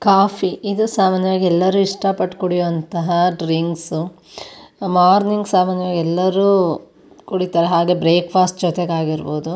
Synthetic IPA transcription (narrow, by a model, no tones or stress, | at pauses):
kaːpʰiʔid̪usaːmaːnjɐʋaːɡiɛlːɐɾuːiʂʈɐpɐʈːkoɽijoʋɐnt̪ɐɦɐɖɾiŋɡsu | maːɾniŋɡsaːmaːnjɐʋaːɡiɛlːɐɾuː | kuɽit̪aːɾeɦaːɡe̞bɾeːkpaːsʈ̚d͡ʒɔt̪eɡaːɡiɾboːd̪u